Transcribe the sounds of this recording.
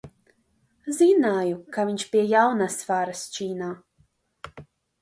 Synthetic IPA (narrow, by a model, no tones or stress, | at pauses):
zinaːjukavʲiɲʲt͡ʃpiɛjawnasfaːɾast͡ʃiːnaː